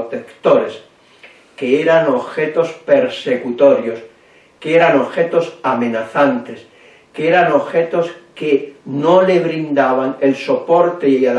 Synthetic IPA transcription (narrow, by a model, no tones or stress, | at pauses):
t̪ekt̪oɾes | ke̞eɾano̞βxe̞t̪o̞spe̞ɾse̞kut̪o̞ɾjo̞s | keeɾano̞βxe̞t̪o̞samẽ̞naθant̪e̞s | keeɾano̞βxe̞t̪o̞skenole̞βɾind̪aβaŋe̞lso̞po̞ɾt̪eial